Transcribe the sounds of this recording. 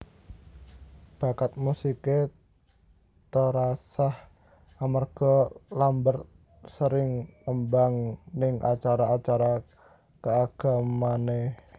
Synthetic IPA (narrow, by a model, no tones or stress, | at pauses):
b̥a̤kat̪̚musike | t̪əɾasah | amarɡ̥ɔ̤lambər | səɾɪŋŋəmbaŋnɪŋʔa̰t͡ʃaɾaːt͡ʃaɾa | kəaɡ̥a̤mane